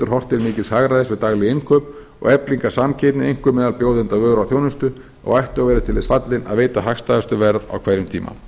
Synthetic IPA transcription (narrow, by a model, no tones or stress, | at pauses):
t̪ʏɾ̥ɦɔr̥t̪ɪɾmɪːcɪshaɣɾaðɪsvɪðt̪aɣlɪɪnkʰœːp | ɔ̰ɣɛpliŋkḁsamcʰejt̪nɪejŋ̥kʏmɛːðalpjoːwðɪnt̪avœːɣɾawθjownʏst̪ʏ | ɔ̰ɣajht̪ʏaɣvɛːɾɪt̪ʰɪlɪsfat̪lɪna̰ðveːjt̪aɦaxst̪aːðʏst̪ʏvɛɾða̰wkʰvaːjɾʏmt̪ʰḭːma̰